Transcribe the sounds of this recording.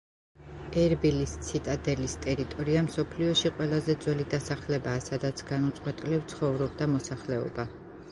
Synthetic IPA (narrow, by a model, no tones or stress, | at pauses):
ɛɾbilist̪sʰit̪ʼad̪ɛlist̪ʼɛɾit̪ʼɔɾiamsɔpʰliɔʃiqʼwɛlˠazɛd̪zwɛlid̪asaχlɛbaːsad̪at̪sʰɡ̥anut̪sʼqʼwɛt̪ʼilɛpt̪sʰχɔvɾɔb̚d̪amɔsaχlɛɔ̰ba